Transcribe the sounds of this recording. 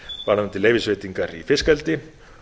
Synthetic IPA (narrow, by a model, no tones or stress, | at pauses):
vaɾhant̪ɪleːjvɪsveːt̪iŋkaɾifɪskalt̪ɪ